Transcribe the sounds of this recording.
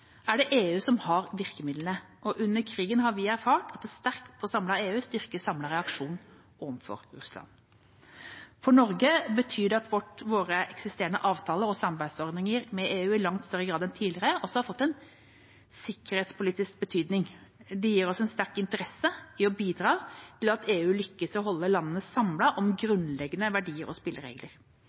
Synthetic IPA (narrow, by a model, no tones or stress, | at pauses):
æɖɛʔeːʉːsɔmhɑɾʋɪɾkəmɪd̪lənə | ʔɔʔʉnːəɾkʰɾiːɡənɦɑɾʋɪæɾfɑːʈɑt̪̚d̪ɛst̪æɾkt̪ɔsɑmlɑeːʉːst̪ʏɾkəsɑmlɑɾɛɑkʂuːnn | ɔʋəmfɔ̰ɾɾʉ̰slɑ̰n | fɔɳɔɾɡəbət̪ʰyːdɛɑt̪ʋɔʈʋoːɾəʔɛksɪst̪eːɾənəʔɑːʋt̪ʰɑːləɾɔsɑmɑɾbæɪ̥sɔɾd̪nɪŋəɾmɛʔeːʉːɪlɑŋt̪st̪œɾːəɡɾɑːd̪ɛnt̪ʰiːd̪lɪɾəɔsːɔhɑɾfɔt̪ːɛn | sɪkːəɾheːt̪spʊliːt̪ɪsk̚bət̪ʰyːd̪nɪŋd̪ɛjiːɾɔsɛnst̪æɾkɪnt̪əɾɛsəɪɔbiːd̪ɾɑːt̪ʰɪlɑt̪eːʉːlʏkːəsɔɦɔlːəlɑnːənəsɑmlɑʔɔmɡɾʉnlɛɡːənəʋæɖiːəɾɔspɪlːəɾḛːɡləɾ